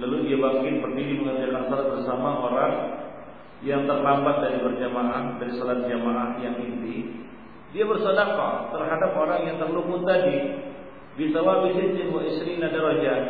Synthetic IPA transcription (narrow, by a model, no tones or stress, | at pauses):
laludiabaŋkɪnbərdidiməŋərd͡ʒakansolat̪̚bərsamaʔoɾaŋ | jaŋt̪ərlambat̪̚daɾipərd͡ʒamaʔahdaɾisolat̪̚d͡ʒamaʔahjaŋint̪i | diabərsodaka̰t̪ərɦadap̚oɾaŋjaŋt̪ərlukʊt̪adi | bit̪awabisɪd͡ʒiŋoisɾinadaɾod͡ʒa